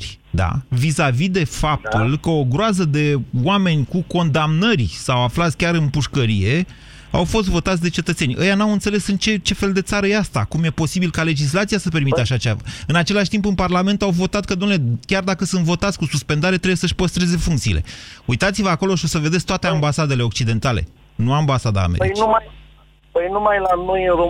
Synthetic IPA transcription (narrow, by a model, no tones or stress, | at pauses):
d̪a̰visavid̪e̞fap̚t̪ulkəo̞ɡɾoazəd̪e̞wame̞nʲkuko̞nd̪amnərʲsawaflat̪sʲkʲaɾɨnpuʃkəɾḭje̞ | a̰wfo̞st̪vo̞t̪at̪sʲd̪e̞t͡ʃe̞t̪ət̪se̞nʲʔə̰januawɨnt̪se̞lesɨnt͡ʃe̞t͡ʃe̞fe̞ld̪e̞t̪saɾəjeast̪a̰kumje̞po̞sibilkale̞d͡ʒis̬lat̪sijasəpe̞rmit̪eaʃat͡ʃea̰ɨnat͡ʃe̞laʃt̪impɨnparlame̞nt̪awvo̞t̪at̪̚kəd̪umnelekʲard̪akəsɨnt̪vo̞t̪at̪sʲkususpend̪aɾe̞t̪ɾebejesəʃpəst̪ɾe̞ze̞fuŋkt̪sḭlʔe̞̰ujt̪at̪sivəako̞lo̞ʃio̞səve̞d̪esʲt̪oat̪e̞ambasad̪e̞le̞o̞k̚t͡ʃid̪e̞nt̪ale̞̰ | nuambasad̪a̰ːmḛiumaj | pəjnumajlano̞jɨnro